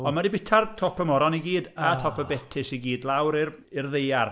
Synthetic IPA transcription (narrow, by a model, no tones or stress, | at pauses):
ɔnmadibɪtʰartʰɔpʰəmɔɾɔniɡiːdatʰɔpʰəbɛtʰɪsiɡiːdlˠawɾɪr | ɪrðejar